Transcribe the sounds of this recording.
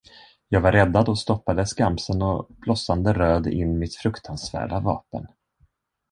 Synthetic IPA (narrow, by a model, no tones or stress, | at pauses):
jɑːɡvaɾɛd̪ːad̪ɔst̪ɔpːad̪əskamsənɔb̥lɔsːand̪əɾøːd̪ɪ̰nːmɪt̪fɾɵkt̪ʰansvæ̰ːɖavɑ̰ːpə̰n